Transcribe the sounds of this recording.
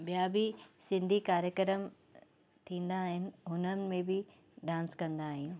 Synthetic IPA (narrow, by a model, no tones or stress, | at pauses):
bijabʱisɪ̃nd̪ʱikaːɾjəkɾəm | t̪ʰĩːn̆d̪aːɦɪnɪ̆ɦʊnənɪ̆mẽbʱɪ | ɖãːnskɐ̃nd̪aːɦijũ